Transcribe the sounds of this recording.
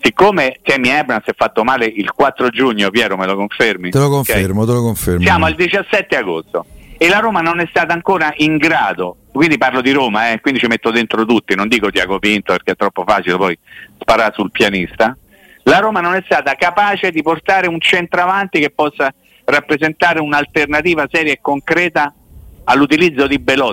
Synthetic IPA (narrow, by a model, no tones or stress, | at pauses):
sikːoːmesɛmːiɛbnasɛfːat̪ːomaːleilkwat̪ːɾod͡ʒuɲːopjɛːɾomelokoɱfermit̪elokoɱeɾmot̪elokoɱfeɾsjaːmoald̪it͡ʃasːɛt̪ːeaɡost̪oelːaɾoːmanonɛst̪aːt̪aŋkoːɾaʔiŋɡɾaːd̪o | kwind̪iparlod̪iɾoːmaɛkwind̪it͡ʃimet̪ːod̪ent̪ɾot̪ut̪ːinond̪iːkot̪iaɡovint̪opeɾk̟eɛt̪ːɾɔpːofaːt͡ʃilepɔjspaɾasulpjanist̪a | laɾoːmanonɛst̪aːt̪akapaːt͡ʃed̪iport̪aːɾeunt͡ʃɛnt̪ɾoavant̪ikepːɔsːa | rapːɾezent̪aːɾeunalt̪ernat̪iːvasɛːɾjaekːoŋkɾɛːt̪aː | lːut̪̬ilid̪zːod̪ibelɔ